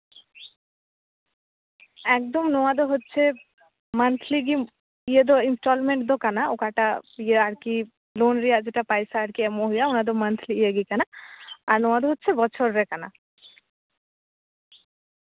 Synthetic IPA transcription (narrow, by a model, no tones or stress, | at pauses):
ɛkd̪omnoad̪oɦotːɕʰe | mənt̪ʰliɡi | ijed̪oinsʈɔlmeɳʈd̪okanaokaʈapieaɾki | lonɾijad͡ʑeʈapajsaaɾkiɛmoɦijaunad̪omənt̪ʰliijeɡikanaaɾnowad̪oɦotːɕʰebɔt͡ɕʰoɾːekana̰